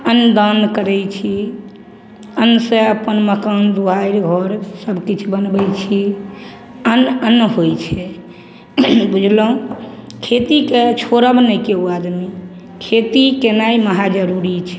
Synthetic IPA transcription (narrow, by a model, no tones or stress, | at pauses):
ənːd̪ənkəɾɛt͡ʃʰi | ənːsẽəpənməkənd̪uɦaiɾɡʱɔɾsəbkit͡ʃʰubənbɛjt͡ʃʰi | ənənːɦojt͡ʃʰɛ | bud͡ʒʱlɔũ | kʰet̪iket͡ʃʰoɾəbnɛkeuad̪mi | kʰet̪ikenaiməɦad͡ʒəɾuɾit͡ʃʰɛ̥